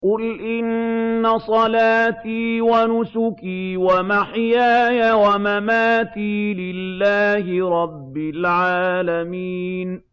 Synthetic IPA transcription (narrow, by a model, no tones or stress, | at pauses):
qʊlʔɪnːasˤɑlaːt̪iːwanʊsʊkiːwamaħjaːjawamamaːt̪iːlɪlːaːhɪɾˤɑbːɪlʕaːlamiːn